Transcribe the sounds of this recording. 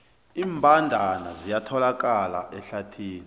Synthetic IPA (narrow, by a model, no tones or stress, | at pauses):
iːmbʱandʱana̰zijatʰɔlak̬ʼala̰ʔɛɬatʰiːni